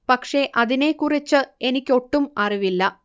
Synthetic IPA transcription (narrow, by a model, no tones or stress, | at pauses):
pɐkʂe̞ʔɐðine̞kːurit͡ɕːɨe̞nikʲːo̞ʈːumɐriʋilːɐ